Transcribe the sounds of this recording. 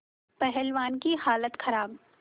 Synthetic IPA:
pɛɦɛlʋaːnkihaːlət̪xʰɐɾaːb

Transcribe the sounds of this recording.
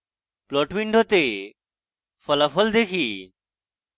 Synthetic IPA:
plɔːʈmiɳɖʱot̪eː | fəlafʰəld̪eːkʰiː

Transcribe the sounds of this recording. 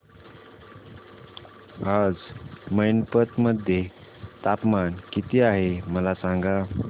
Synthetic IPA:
ad͡zməjnpət̪məd̪ʱje | t̪apmankit̪iaɦeməlasaŋɡa

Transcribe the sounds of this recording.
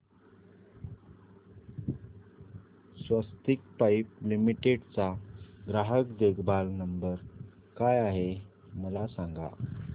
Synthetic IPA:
sʋəst̪ik̚pajp̚limiʈeɖt͡saɡɾaɦəkd̪eɡʰbalnəmbəɾ | kajaɦe | məlasaŋɡa̰

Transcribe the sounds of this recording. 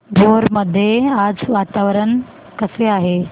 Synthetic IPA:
ɡʱoɾməd̪ʱːjead͡zʋat̪aʋəɾən | kəseaɦe

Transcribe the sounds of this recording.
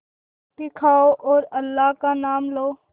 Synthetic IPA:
t̪ɪkʰaːoʔoːɾəlːaːɦkanaːmloː

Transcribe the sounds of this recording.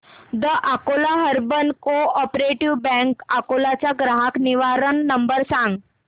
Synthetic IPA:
d̪əʔakolaɦəɾbənkoɔpɾeʈiʋbɛ̃ŋkakolat͡ɕjaɡɾaɦakniʋaɾənːəmbəɾsãŋɡ

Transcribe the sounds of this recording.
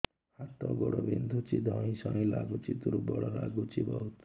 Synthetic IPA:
hat̪ɔɡɔɽɔbind̪ʱut͡ʃid̪ʱɔĩsʌ̃laɡut͡ʃit̪uɾubɔɽɔɾaɡut͡ʃibɔɦut̪

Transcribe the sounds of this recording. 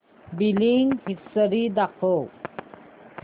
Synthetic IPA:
biliŋhisəɾid̪aqʰo

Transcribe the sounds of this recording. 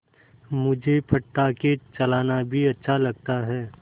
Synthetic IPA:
mʊd͡ʒʱepʰɐʈːaket͡ʃɐlaːnabʱiɐtːʃʰalɐɡ̚t̪aɦɛː

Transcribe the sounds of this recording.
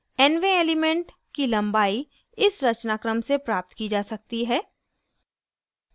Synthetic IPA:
ɛnʋeeːlɪmẽɳʈ | kilɐ̃mbaːi | ɪsɾɐt͡ʃnaːkɾəmsepɾaːp̚t̪kid͡ʒaːsɐk̚t̪iɦɛː

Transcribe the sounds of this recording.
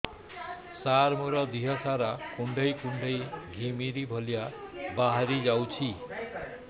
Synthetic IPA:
saɾmuɾʌd̪iɦʌsaɾakuɳɖʱʌjkuɳɖʱʌjɡʱimiɾibʱoljabaɦaɾid͡zawt͡sʰi

